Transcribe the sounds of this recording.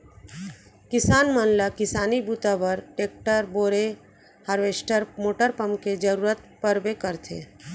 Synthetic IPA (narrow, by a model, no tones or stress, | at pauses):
kɪsaːnmənlakɪsaːnibut̪abəɾʈeːk̚ʈəɾboːɾe | həɾʋeːsʈəɾmoːʈəɾpəmked͡ʒəɾuːɾət̪̚pəɾbekəɾt̪ʰḛː